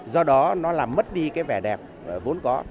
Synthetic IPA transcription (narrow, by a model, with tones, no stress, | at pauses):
zɔ˧ɗɔ˨˦nɔ˨˦laː˨˩mːə˦˥t̚ɗi˧kaː˨˦jvɛ˧˩ɗɛ˨˩p̚ːvo˨˦ənkɔ˨˦